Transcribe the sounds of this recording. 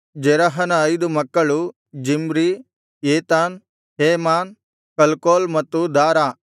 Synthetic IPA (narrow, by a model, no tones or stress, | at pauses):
d͡ʒɛɾɐɦɐnɐːjd̪umɐkːɐɭu | d͡ʒimɾi | eːt̪aːn | heːmaːn | kɐlkoːlmɐt̪ːud̪aːɾaː